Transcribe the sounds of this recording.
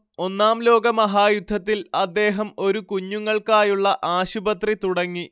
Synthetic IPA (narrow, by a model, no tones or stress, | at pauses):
o̞nːaːmlo̞ːɡɐmɐɦaːjud̪ʱːɐt̪ːilɐd̪ːe̞ːɦɐmo̞ɾukuɲːuŋːɐɭkaːjuɭːɐʔaːɕubɐt̪rit̪uɽɐŋːi